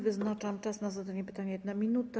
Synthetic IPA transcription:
vɘznat͡ʂamt͡ʂasnazad̪aɲɛpɘ̥t̪aɲɛjɛd̪namʲinut̪a

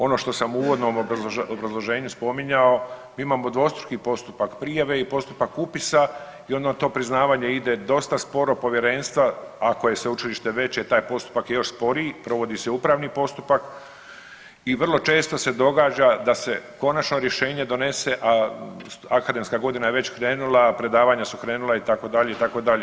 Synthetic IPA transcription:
o̞no̞ːʃt̪o̞samuuʋo̞d̪no̞moobɾazlˠo̞ʒe̞ːɲuspo̞miɲao̞miːimaːmo̞d̪ʋo̞ːst̪ɾukipo̞st̪upakpɾijaʋe̞ipo̞st̪upakupisa | io̞nd̪at̪o̞ːpɾiznaːʋaːɲeid̪e̞d̪o̞st̪aspo̞ɾo̞po̞ʋje̞ɾe̞nst̪ʋaako̞je̞seut͡ʃiliʃt̪e̞ʋe̞t͡ɕet̪aːjpo̞st̪u̥pakjejo̞ʃspo̞ɾiːpɾo̞ʋo̞d̪ise̞uːpɾaːʋnipo̞st̪upak | iʋr̩lˠo̞t͡ʃe̞ːst̪o̞se̞d̪o̞ɡaːd͡ʑad̪ase̞ko̞nat͡ʃno̞ɾje̞ʃe̞ːɲe̞d̪o̞ne̞se̞ʔa | akad̪e̞mskaɡo̞d̪inajeʋe̞t͡ɕkɾe̞ːnulˠapɾe̞d̪aːʋaːɲasukɾe̞ːnulˠait̪akod̪aʎe̞it̪ako̞d̪aʎe

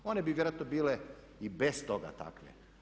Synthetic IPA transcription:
o̞nebiʋjeɾoaːt̪nobiːle | ibest̪o̞ɡa̰t̪a̰kʋḛ

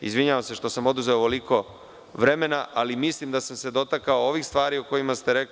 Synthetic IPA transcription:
izʋiɲaʋamse̞ʃt̪o̞samo̞d̪uzeoʋo̞liko̞ | ʋɾe̞me̞naʔalimislimd̪asamse̞d̪o̞t̪akaooʋixst̪ʋaːɾioko̞jimast̪e̞ɾek

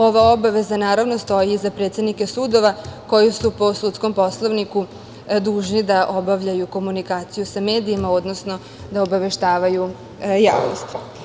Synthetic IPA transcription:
o̞ʋao̞baʋe̞zanaːɾaʋnost̪o̞jiːzapɾe̞t̪sʲe̞d̪nike̞sud̪o̞ʋako̞jisupo̞sut̪sko̞mpo̞slˠoʋniku | d̪uːʒnid̪aʔo̞baʋʎajuko̞munikaːt̪sijusame̞ːd̪iːmao̞d̪no̞sno̞ | d̪aobaʋe̞ʃt̪aːʋaju | ja̰ːʋno̰st̪

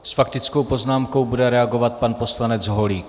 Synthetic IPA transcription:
sfakt̪ɪt͡sko̞wpo̞znaːmko̞wbudɛɾɛaɡo̞vat̪̚panpo̞slanɛd͡zɦoliːk

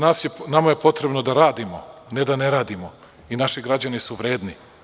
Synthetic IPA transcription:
naːsjenamaje̞po̞t̪ɾe̞bno̞d̪aɾaːd̪imo̰ned̪ane̞ɾaːd̪imo̞ | inaʃiɡɾad͡ʑanisuʋɾe̞ːd̪ni

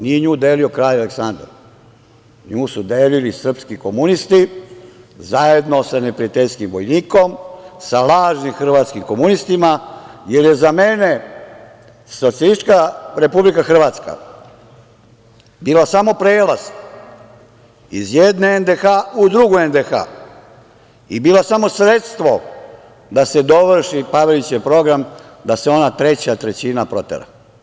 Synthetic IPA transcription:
nieɲuːd̪eːlio̞kɾaːjaleksand̪a̰ɾ | ɲuːsud̪eːlilisr̩pskiko̞munist̪i | zaje̞d̪no̞sane̞pɾiat̪eʎskimʋojniːko̞msalaːʒnimxr̩ʋaːt̪skimko̞munist̪imaje̞ɾje̞zame̞ne̞ | so̞t̪sijalisi̥t͡ʃkaɾe̞publikaxr̩ʋaːt̪ska̰ | biːlasamo̞pɾeːlas | izjed̪neend̪exaud̪ɾuɡuend̪exa̰ː | ibiːlosamo̞sɾe̞t̪st̪ʋo̞ | d̪ased̪o̞ʋr̩ʃipaʋelit͡ɕepɾo̞ɡɾam | d̪aseo̞nat̪ɾe̞t͡ɕat̪ɾet͡ɕinapɾo̞t̪ḛɾa̰

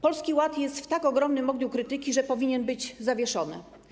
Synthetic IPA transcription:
pɔlskʲiwat̪jɛst̪ft̪akɔɡɾɔmnɘmɔɡɲukɾɘt̪ɘkʲiʐɛpɔvʲiɲɛnbɘd͡ʑzavʲjɛʂɔnɘ̰

